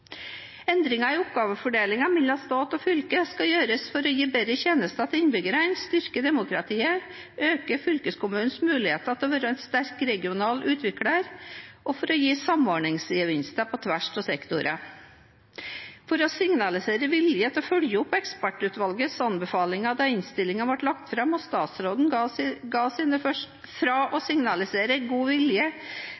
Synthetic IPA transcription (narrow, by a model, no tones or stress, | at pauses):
ɛnd̪ɾɪŋɑɪʊpɡɑːʋəfɔɖeːlɪŋɑmɛlɑst̪ɑːt̪ɔfʏlkəskɑjøːɾəsfɔɾɔjiːbɛɾɾəçeːnəst̪ɑt̪ʰɪnbʏɡəɾænst̪ʏɾkəd̪ɛmʊkɾɑt̪ʰiːə | ʔøːkəfʏlkəskʊmʉːn̩smʉːlɪheːt̪ət̪ʰːʋøɾɛnst̪æɾkɾɛɡɪʊnɑːlʔʉːt̪ʰʋɪkɽəɾʔɔfɔɾɔjiːsɑmɔɾɳɪŋsəʋɪnst̪ɑpʰɔt̪ʰʋæʂtʰɔsɛkt̪ʊɾʔə | fɔɾɔsɪŋnɑlɪseːɾəʋɪljət̪ʰɔfœljəʊpːɛkspæʈːʉːt̪ʋɑlɡəsɑnbɛfɑːlɪŋɑd̪ɑɪnst̪ɪlɪŋɑʋɑʈlɑkt̪fɾɑmɔst̪ɑːt̪sɾoːd̪n̩ɡɑːsɪːnəfœʂ | fɾɑʔɔsɪŋnɑlɪseːɾəɡuːʋɪljə